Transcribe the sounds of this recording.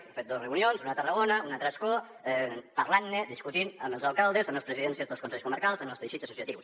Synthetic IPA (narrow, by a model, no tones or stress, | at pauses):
fet̪̚d̪ozrəunionzunət̪ərəɣonəunat̪ɾəsko | ɛpərlanːed̪iskut̪inəməlˠzalˠkalˠd̪ezəmləspɾəziðɛnsiəzðəlˠskunsɛʎskuməɾkalˠzəməlzðəʃiəsu̥siət̪iws